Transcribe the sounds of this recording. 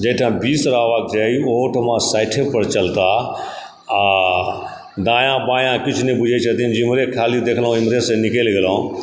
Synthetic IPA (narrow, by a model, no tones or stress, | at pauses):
d͡ʒəːʈʰãːbiːsɾaːʋak̚d͡ʒaioːʈʰmãːsaːɪʈʰepəɾt͡ʃɐlt̪a | d̪ãːjãːbãːjãːkɪt͡ʃʰnĩbʊd͡ʒʱet͡ʃʰɐt̪ʰind͡ʒimɾekʰaːlid̪eːkʰlaõɪmɾeːsẽnɪkeːlɡəlaõ